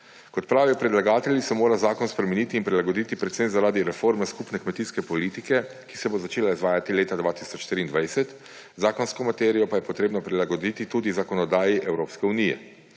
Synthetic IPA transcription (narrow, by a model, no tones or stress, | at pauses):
kɔt̪pɾaːʋijɔpɾɛd̪laɡaːt̪ɛljisɛmoːɾazaːkɔnspɾɛmɛniːt̪iːnpɾilaɡɔd̪it̪ipɾɛt̪semzaɾaːd̪iɾɛfoːɾmɛskupnɛkmɛt̪iskɛpɔliːt̪ikɛ | ki̥sɛbozat͡ʃeːlaizʋaːjat̪ileːt̪ad̪ʋaːt̪isɔt͡ʃʃt̪ɾiːnd̪ʋajsɛt̪ | zaːkɔnskɔmat̪ɛːɾijɔpajɛpɔt̪ɾeːbnɔpɾilaɡɔd̪it̪it̪uːd̪izakɔnɔd̪aːjiʔɛwɾoːpskɛunijɛ̰